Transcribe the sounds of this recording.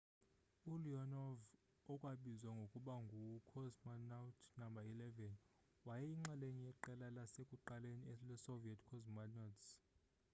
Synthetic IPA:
uliɔnɔv | ɔkʼwaɓizwaŋɡʱokʼuɓaŋɡʱukʰɔzmanatʰnambʱailɛvɛn | wajɛiŋ͡ǁalenijɛǃɛlalasekʼuǃaleniɛlɛsoviɛtʰkʰɔzmanɔts

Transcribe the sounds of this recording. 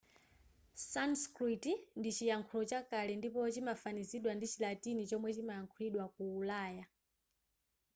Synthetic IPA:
sanskɾitindit͡ʃijaŋkʰulɔt͡ʃakalɛndipɔt͡ʃimafaniziɗwandit͡ʃilatinit͡ʃɔmwɛt͡ʃimajaŋkʰuliɗwakuːlaːja

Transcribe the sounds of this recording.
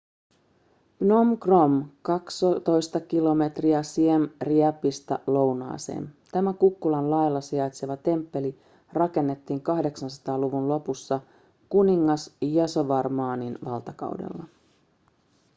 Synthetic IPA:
nomkromkɑkst̪o̞jst̪ɑkilo̞me̞t̪riæsiemriæpːist̪ɑ̰lo̞wnɑ̰ːsḛːnt̪æmækukːulɑnlɑjlːɑsiɑjt̪se̞ʋɑt̪e̞mpːe̞li | rɑke̞nːe̞t̪ːiːŋkɑhde̞ksɑnsɑ̥t̪ɑːluʋunlo̞pusːɑ | kuniŋːɑsjɑso̞ʋɑrmɑːninʋɑlt̪ɑkɑ̰wdḛlːɑ

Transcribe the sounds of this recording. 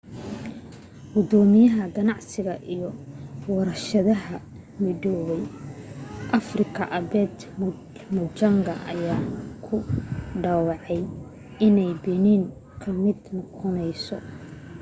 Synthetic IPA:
ɡʊd̪ɔːmɪjɐɦɐɡɐnɑʕsɪɣɐʔijɔwɐɾɐʃɐðɐɦɐ | mɪðɔwɛj | ʔɐfrɪkʰɐʔɐbɛːd̪ | mʊt͡ʃɐŋɡɐʔɐ̰jaːkʰʊɖɑwɑʕɛj | ɪnɛjbɪniːŋ | kʰɐmɪd̪nɔqɔnɛjsɔ

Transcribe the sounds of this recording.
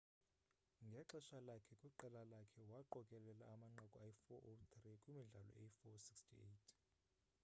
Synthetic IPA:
ŋɡʱɛǁɛʃalakʰɛkʼwiǃɛlalakʰɛwaǃɔkʼɛlɛlaːmaŋ͡ǀakʼɔajifɔʔot̪ʰrikʼumiɮalɔ̰eifɔsikstʰiejtʰ

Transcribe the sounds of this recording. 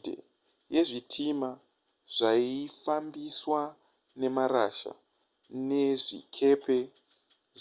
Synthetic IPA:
dḛ | je̞ʐitʰima | ʐ̥aifambiswa | ne̞maɾa̰ʃa̰ | ne̞ʐḭkʰe̞pe̞

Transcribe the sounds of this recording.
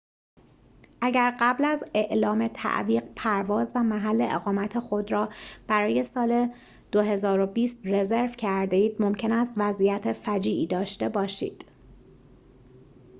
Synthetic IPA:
ʔæɟæɾɢæblæze̞ʔlɒːme̞t̪ʰæ̰ʔviːɢpʰæɾvɒːzvæmæɦælːe̞̰ʔḛɣɒːmæt̪ʰe̞xo̞d̪ɾɒːb̥æɾɒːje̞sɒːle̞ | d̪̥oɦe̞zɒːɾo̞biːst̪re̞ze̞ɾvcʰæɾd̪eiːd̪̥mo̞mcʰe̞næst̪væzʔijæt̪ʰe̞fæd͡ʒiːʔiːd̪ɒːʃt̪e̞bɒːʃḭːd̪̥

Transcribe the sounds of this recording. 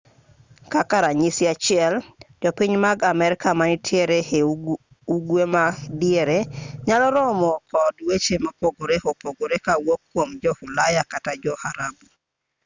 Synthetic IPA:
kakaɾaɲisiat͡ʃɪɛld͡ʒɔpiɲmaɡamɛɾɪkamanitʰjeɾehe | uɡwemadieɾeɲalɔɾɔmɔkɔdwet͡ʃemapoɡoɾehɔpoɡoɾekawokːwomd͡ʒɔhulajakatad͡ʒɔhaɾabu

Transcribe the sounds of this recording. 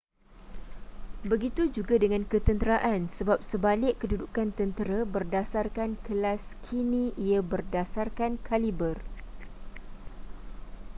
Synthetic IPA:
bəɡit̪ud͡ʒuɡadəŋãnkət̪ənt̪əɾaʔansəbap̚səbalɪʔədudukant̪ənt̪əɾabərdasarkankəlaskʰinĩiabərdasarkankʰalibər

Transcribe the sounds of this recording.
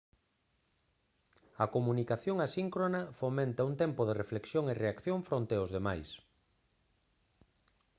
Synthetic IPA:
ɐkomunikaθjoŋasiŋkɾonɐfomẽnt̪ɐuŋt̪ɛmpʊð̞erefleksjoŋereakθjoɱfɾõnt̪eozðemajs

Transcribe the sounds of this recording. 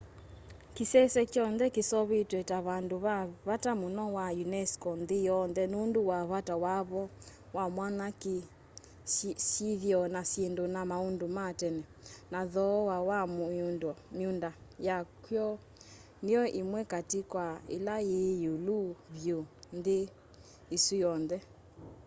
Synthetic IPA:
kisɛsɛkjɔnðɛkisɔβetwɛtaβandoβaβatamonɔwajunɛskɔnðijɔnðɛnunduwaβatawaβɔ | wamwanaki | ʃiðjɔnasjendonamaundomatɛnɛ | naðɔwawammundɔmiundajakwjɔ | nijɔʔimwɛkatikwaḛlajejuluβjonðeː | sujɔnðɛ

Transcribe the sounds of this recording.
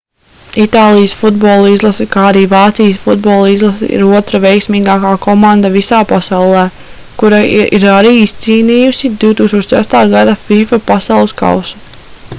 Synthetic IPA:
it̪aːlˠijəsfud̪̚bɔːlˠuizlˠasɛkaːaɾiːvɑːt̪sijəsfud̪̚bɔːlˠizlˠasḭɾuɔt̪ɾavejksmiːɡaːkaːkɔmãnd̪avisaːpasawlˠɛː | kuɾaḭɾaɾiːist̪siːniːjusid̪iwt̪uːkst̪oɔt͡ʃsæst̪aːɡad̪afifapasɑwlˠɨska̰wsu̥

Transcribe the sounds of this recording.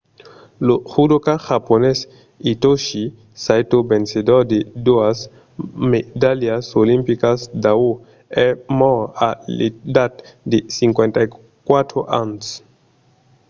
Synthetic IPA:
loxud̪okaxapones | it̪oʃi | sajt̪obensed̪ɔɾd̪ed̪uas | med̪aljiasolimpikasd̪ao | ɛmɔaed̪at̪d̪esiŋkwent̪a | kwat̪ɾoʔans

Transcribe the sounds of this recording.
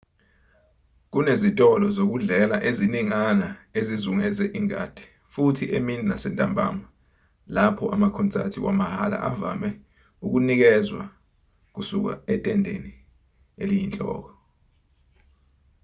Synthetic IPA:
k̬unezitʼɔlɔzok̬uɮɛlaʔeziniŋanaezizuŋɛzɛʔiŋa̰d̥ʱɛ̥ | futʰiʔemininasɛntʼambʱa̰ma | lapʰɔʔamakʰɔnt͡sʼa̰tʰiwʔa̰mahala̰ʔava̰mɛ | uk̬unik̬ɛzwa̰ | k̬usuk̬a̰ɛtʼɛndʱḛni | elijint͡ɬʼɔ̰ːk̬ɔ

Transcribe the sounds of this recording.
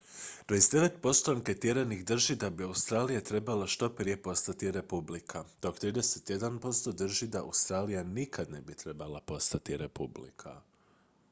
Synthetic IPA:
d̪̥oizd̪e̞ʋe̞t̪po̞st̪oaŋket̪jeɾeniɣd̪r̩ʒid̪abiaust̪ɾaːlijat̪ɾe̞balaʃt̪o̞pɾije̞po̞st̪at̪iɾe̞publikʰat̪okt̪ɾiːd̪e̞set̪je̞d̪anpo̞st̪o̞d̪r̩ʒid̪aa̰wst̪ɾaːlijanikʰad̪ne̞bit̪ɾe̞balˠapo̞st̪at̪iɾepublḭkʰa̰

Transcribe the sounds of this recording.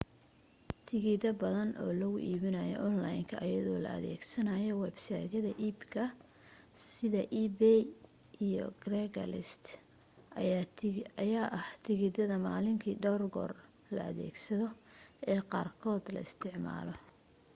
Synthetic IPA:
t̪ʰɪɣɪd̪ɐbɐðɐnʔɔ̰ːlɐɣʊʔiːβɪnɐjɔ̰ʔɔnlajŋkʰɐʔɐjɐðɔːlɐ̰ɐ̰ðɛ̰ːɡsɐnɐjɔwɛbsajd̪ɐðɐʔiːbkʰɐ | sɪðɐʔiːbɛ | ʔijɔ̰ɡrɛɡɐ̰lɪst̪ | ɐjaːʔɐht̪ʰɪɣɪd̪ɐðɐmaːlɪŋkʰiːɖɔwrɡɔ̰ːr | lɐ̰ɐðɛ̰ːɡsɐðɔɛːqɑːrkʰɔːd̪lɐ̰ɪst̪ʰɪʕma̰ːlɔ

